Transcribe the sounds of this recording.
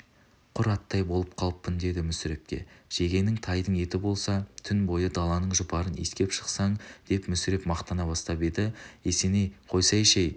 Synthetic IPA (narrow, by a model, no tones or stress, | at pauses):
qʰʊɾɑt̪ːɑjbo̞lˠəp̚qʰɑlˠəpːɪnd̪e̞d̪ɪmʏsɪɾe̞p̚kʲe̞̰ʒ̥e̞ɡʲe̞nɪŋt̪ʰɑjd̪əɴe̞t̪ɪbo̞lˠsɑt̪ʰʏnbo̞jəd̪ɑlˠɑnəɴʒʊpɑɾənḛskʲe̞pʃə̥qsɑɴd̪̥e̞pmʏsɪɾe̞pmɑqt̪ɑnɑbɑst̪ɑped̪ɪe̞se̞nejqʰo̞jsɑjeʃej